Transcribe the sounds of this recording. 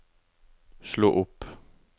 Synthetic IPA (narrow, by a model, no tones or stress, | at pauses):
slo̰ːʔʊpː